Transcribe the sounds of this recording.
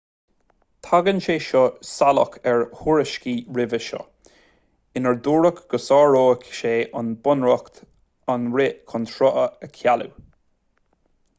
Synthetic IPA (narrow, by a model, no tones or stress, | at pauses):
t̪ʰaɡənʃeːʃɔsalə̰kʰɛɹhuɹəʃkiːɹɪvəʃɔ̰ | ɪnəɹd̪uːɹəkɡ̥əsɑːɹoːkʃeːʔənbʊnɹɔkt̪ | anɹɪʔkʰɔnt̪ʰɹɔʔəəkʰjalṵ